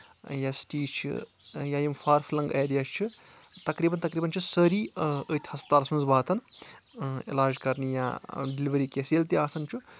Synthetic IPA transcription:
jɐsʈiːt͡ʃʰḭjaːjimfʰaːɾfilɐŋɡeːɾijaːt͡ʃʰit̪ɐkɾiːbɐnt̪ɐkɾiːbɐnt͡ʃʰisəɾiːət̪ʰʲhɐspɐ̥t̪aːlsmɐnzbʱaːt̪ɐn | elaːɾd͡ʒkɐɾnija̰ɖiliʋɾiːkʲeseːlt̪iaːsɐnt͡ʃʰu

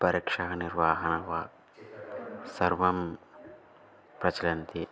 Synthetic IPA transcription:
pɐɾiːkʂɐɦɐniɾʋaːɦɐnɐʋɐ | sɐɾʋɐm | pɾɐt͡ʃlɐnt̪i

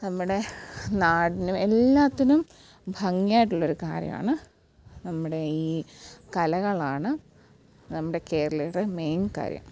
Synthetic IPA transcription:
nɐmːuɽe̞naːɽinume̞lːaːt̪ːɐnum | bʱɐŋːijaːjʈːuɭːo̞ɾuka̰ːɾjɐ̰ma̰ːɳɨ | nɐmːuɽe̞iːkɐlɐɣɐɭaːɳɨ | nɐmːuɽe̞ke̞ːɾlejuɽeme̞jnka̰ːɾjɐ̰m

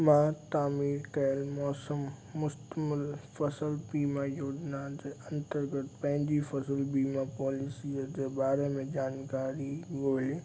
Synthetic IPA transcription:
mãːt̪aːmiːɾkɐlmɔːsəmːʊst̪əmɪlfɐsəlbiːmajoːd͡ʒnaːd͡ʑeʔɐ̃nt̪əɾɡət̪̚pɐ̃ɦɪ̃ɲd͡ʑifɐsəlbiːmapɔːlisiəd͡ʑeːbaːɾemẽd͡ʑaːnkaːɾiɡoːle

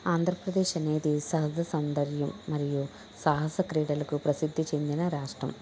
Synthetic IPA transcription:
aːnd̪ʱɾɐpɾɐd̪e̞ːɕɐne̞ːd̪isɐɦɐd̪ɐsɐnd̪ɐɾjɐmːɐɾiju | saːɦɐsɐkɾiːɖɐlkupɾɐsid̪ʱːit͡ʃe̞nd̪inɐɾaːʂʈrɐm

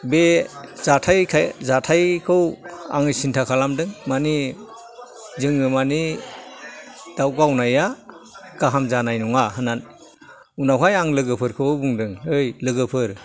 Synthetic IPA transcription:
bezatʰajkʰazatʰajkʰɯwa̰ŋɯjsintʰakʰalamdɯŋmani | zɯŋɯmani | d̥awɡawnaja | ɡ̥aɦamzanajnɔŋaɦɯnan | unawɦajaŋlɯɡɯpʰɯɾkʰɯwbuŋdɯŋɯjlɯɡɯpʰɯɾ

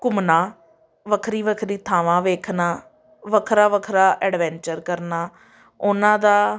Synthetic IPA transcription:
kʊmnaː | ʋəkʰɾiːʋəkʰɾiːt̪ʰaːʋãːʋeːkʰnaː | ʋəkʰɾaːʋəkʰɾaːʔɛːɖʋɛ̃ːɲt͡ʃəɾkəɾnaː | ʊnãːd̪aː

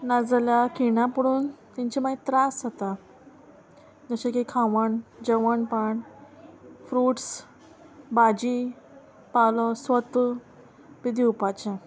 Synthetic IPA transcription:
nad͡zljakʰiɽapəɽuːnt̪ĩɲt͡ɕimat̪ɾasɦət̪a | d͡zəɕekikʰãʋəɳd͡ʑəʋəɳpaɳ | fɾuːʈs | bad͡ʑi | palɔsʋət̪ | pid̪ʱiupat͡ɕẽ

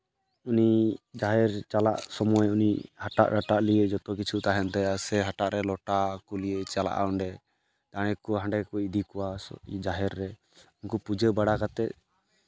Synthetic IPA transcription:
unid͡ʒaɦɛɾt͡ʃalaʔsɔmɔjunihaʈa̰ʔɾaʈaʔlijəd͡ʒɔt̪ɔk̬it͡ʃʰut̪aɦɛnt̪ɛasɛɦaʈaʔɾɛlɔʈakulijəʔt͡ʃala̰ʔa̰ɔnɖɛ | d̪aɽ̃ɛkɔɦãɳɖɛkɔid̪ikɔwasɔ̰ḭd͡ʒaɦɛɾːɛ | unkupud͡ʒəbaɽakat̪ɛt̪

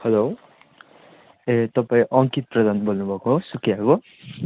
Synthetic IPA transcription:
hʌlow | et̪ʌpaĩʔʌŋkit̪̚prʌd̪anbolnubʱʌkoɦsukjako

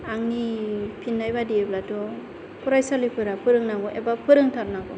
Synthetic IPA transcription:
aŋnipʰinːajbadieblatʰɔ | kʰuɾajsalujpʰɯɾapʰɯɾɯŋnaɡɔʔḛbapʰɯɾɯŋtʰaɾnaɡɔ̰

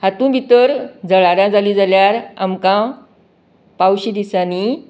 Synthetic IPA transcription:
hat̪ũːbʱit̪əɾd͡zəɭaɽjãd͡zaliːd͡zaljaɾa̰mkã | pawɕiːd̪isani

